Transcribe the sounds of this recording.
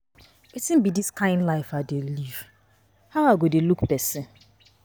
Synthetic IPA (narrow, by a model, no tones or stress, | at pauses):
itɪ̃m̩bidiskãɪ̃ndlaɪfadeliv̥ | haŋaɡodelukpɛsɪn